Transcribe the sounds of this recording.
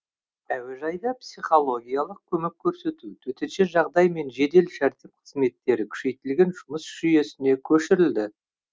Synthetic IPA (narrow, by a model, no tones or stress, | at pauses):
æwe̞ʒɑjd̪ɑpsiχo̞lˠo̞ɡʲijalˠəq̚kʲʰɵmekʲʰːɵɾse̞t̪ut̪ʰɵt̪enʃeʒɑʁd̪ɑjme̞nʒe̞d̪e̞lʃæɾt̪e̞p̚qʰə̥zme̞t̪ːe̞ɾɪkʲʰʏ̥ʃe̞jt̪ɪlɡʲe̞nʒʊməsʒ̥ʏje̞sɪne̞kʲʰɵʃɪɾɪld̪ɪ